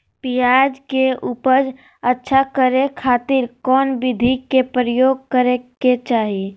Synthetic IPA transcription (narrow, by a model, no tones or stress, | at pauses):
pijaːd͡ʒkeʔuːpəɾ | ətːʃʰakəɾekʰaːt̪ɪɾkɔːnbɪd̪ʱikepɾəjoːɡ̚kəɾeket͡ʃaːɦii